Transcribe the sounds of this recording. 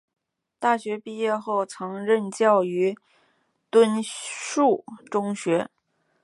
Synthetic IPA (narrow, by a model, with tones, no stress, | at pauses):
t̪a˥˩ɕɥɛ˧˥pi˥˧jɛ˥˧xo˥˩ʊt͡sʰɤ˧˥ŋɻə˥˧nt͡ɕjɑ˥˩ʊy˧˥ | t̪wə˥nʂu˥˩ʈ͡ʂʊ˥ŋɕɥɛ˧˥